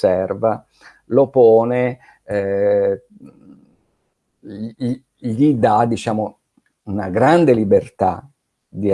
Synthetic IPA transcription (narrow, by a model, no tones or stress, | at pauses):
ɛrva | lopɔːne | ʎid̪ad̪ːit͡ʃaːmo | unaɡɾand̪elibert̪a̰ | d̪i